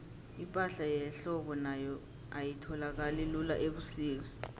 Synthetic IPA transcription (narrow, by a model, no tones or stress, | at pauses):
impʼaɬajɛɬɔɓɔnajɔ | ajitʰɔlak̬alilula̰ʔeɓusiːk̬a